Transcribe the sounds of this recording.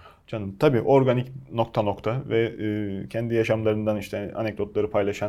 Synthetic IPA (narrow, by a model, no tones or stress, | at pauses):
d͡ʒanɯmt̪ʰabiːʔo̞ɾɡanicno̞kt̪ʰano̞kt̪ʰavɛːcʰɛnd̪ijaʃamlˠaɾɯnd̪aniʃt̪ʰɛa̰nɛc̚d̪o̞t̪lˠaɾɯpʰajlˠaʃan